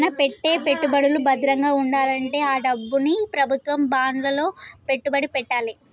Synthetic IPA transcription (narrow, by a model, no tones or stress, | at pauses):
nɐpe̞ʈːe̞ːpe̞ʈːubɐɽulubɐd̪iɾɐŋɡaːuɳɖaːlɐɳʈe̞ːaːɖɐbːunipɾɐbʱut̪ʋɐmbaːnlɐlo̞ːpe̞ʈːubɐɽipɛʈːaːli